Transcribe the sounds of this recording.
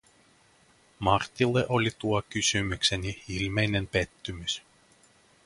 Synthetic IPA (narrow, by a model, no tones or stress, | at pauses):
mɑrt̪ːilːeʔo̞lʲit̪uokysymykse̞nʲiilme̞jne̞mpe̞t̪ːymys